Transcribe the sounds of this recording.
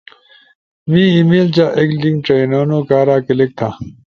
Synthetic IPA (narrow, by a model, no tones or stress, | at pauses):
mĩːimiːlt͡ɕaʔekliŋʈ͡ʂeinoːnoːkaːɾaːkelek̚t̪ʰa